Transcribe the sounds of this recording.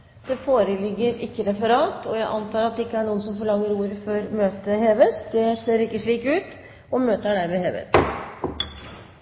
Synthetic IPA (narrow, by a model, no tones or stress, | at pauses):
d̪̥ɛfoːɾəlɪɡːəɾɪkːəɾɛfəɾɑːt̪ɔjæɪʔɑnt̪ʰɑːɾɑt̪̚d̪ɛɪkːəæɳuːəns̬ɔmfɔɭɑŋːəɾuːɾfɔɾmøːt̪əheːʋəsd̪ɛseːɾɪkːəʂɭiːkʉːt̪ | ɔmøːt̪əɖæɾmɛːheːʋə̰s